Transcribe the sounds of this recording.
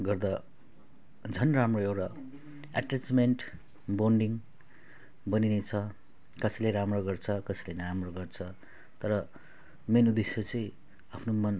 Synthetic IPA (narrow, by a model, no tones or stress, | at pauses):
ɡʌrd̪a | d͡zʱʌnramroewʈa | aʈrat͡smenʈ | boɳɖiŋ | bʌninet͡sʰʌ | kʌsʌleɾamroɡʌrt͡sʰʌkʌsʌlenɾamroɡʌrt͡sʰʌ | t̪ʌɾʌ | menud̪esjot͡sʌĩ | apʰnomʌn